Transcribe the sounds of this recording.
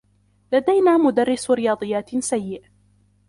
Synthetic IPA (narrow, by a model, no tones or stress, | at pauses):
lad̪ajnaːmʊd̪arːɪsɾɪjɑːd̪ˤɨjːaːt̪sajːɪʔ